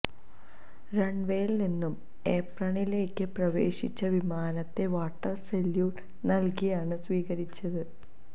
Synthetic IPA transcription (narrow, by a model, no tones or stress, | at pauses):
ɾeɳɖʋeːjlninːum | eːprɐɳile̞ːkːɨprɐʋḛːʂit͡ɕːɐʋimaːnɐt̪ːe̞ʋaːʈːɐrseljuː | nɐlkijaːɳɨsʋiːɣɐɾit͡ɕːɐðɨ